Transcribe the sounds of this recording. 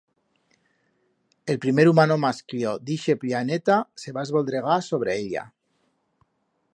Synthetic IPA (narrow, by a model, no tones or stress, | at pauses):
elpɾimeɾumanomaskljod̪iʃeplianet̪aseβaezβolˠd̪ɾeɣ̞asoβ̞ɾeeʎa̰